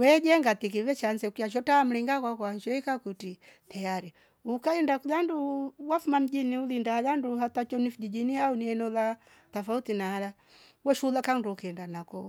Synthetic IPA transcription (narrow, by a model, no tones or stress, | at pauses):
wɛd͡ʒɛŋɡat̪ik̬iβɛt͡ʃanzɛukijaʃ̬ɔtaːm̩liŋɡakwakwant͡ʃɔikakutitajaɾi | ukaɛndakulanduwafumam̩d͡ʒiniulindalanduhatat͡ʃɔnifd͡ʒid͡ʒiniauniɛnɔla | tafautinaala | wɛʃulakanduukiɛndanakɔ